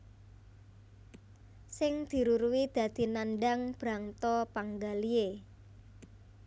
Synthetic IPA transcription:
sɪŋd̪̥i̤ɾuɾuwid̪̥ä̤d̪̥i̤nanɖaŋb̥ɾaŋt̪ɔpaŋɡalie

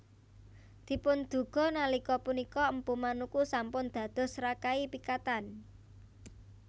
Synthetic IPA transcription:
d̪̥i̤pʊnd̪̥ṳɡ̥ɔ̤nalikɔpunikɔəmpumanukusampʊnd̪̥ä̤d̪̥ɔ̤sɾakaipikat̪an

